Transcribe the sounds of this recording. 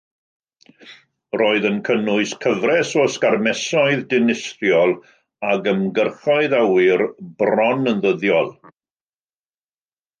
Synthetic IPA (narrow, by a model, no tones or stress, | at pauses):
roːɨðənkʰənʊɨskʰəvrɛsɔskarmɛsɔɨðdɪnɪsrjɔlˠ | aɡəmɡərχɔɨðawɪrbrɔnənðəðjɔlˠ